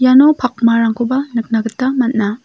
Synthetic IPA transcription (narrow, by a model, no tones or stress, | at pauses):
janɔpʰak̚maɾaŋkʰobɐnɯk̚naɡɯtːɐmɐt̚na